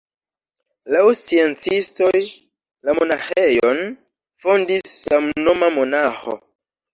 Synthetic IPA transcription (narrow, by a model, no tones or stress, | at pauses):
lawsient͡sisto̞j | lamo̞naxejon | fondisːamno̞mamo̞naxo̰